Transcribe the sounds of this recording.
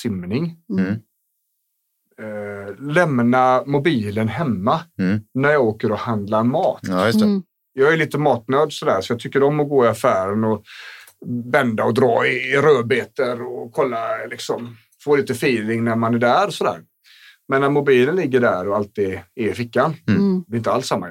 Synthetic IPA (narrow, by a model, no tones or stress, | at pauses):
sɪmnɪŋ | lɛmnamʊbiːlənɦɛmːanæɾjɑɡoːkəɾɔhand̪lamɑːt̪jt̪ | jɑːɡæɾɭiːt̪əmɑːt̪nøːd̪sɔd̪æːɾsɔjɑːt̪ʰʏkːəɾɔmːɔɡoːɪafæːɾənɔ | bɛnd̪aɔd̪ɾɑ̰ːɪɾøːbeːt̪əɾɔkʰɔlːalɪksɔm | foːliːt̪əfiːlɪŋnæɾmanæɖæːɾɔsɔd̪æ̰ːɾ | mɛnːæɾmʊbiːlənlɪɡːəɖæːɾɔalt̪ɪːdɪɪfɪkːand̪ɛɪnt̪əalsːamːa